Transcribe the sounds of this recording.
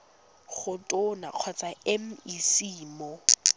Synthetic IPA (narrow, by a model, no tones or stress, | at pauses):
χʊtʼʊna̰q͡χʰwat͡sʼaɛm̩isiːmɔ